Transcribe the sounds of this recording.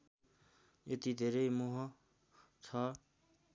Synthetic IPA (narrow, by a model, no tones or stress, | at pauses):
et̪id̪ʱeːɾemoɦɔ̃ | t͡sʰa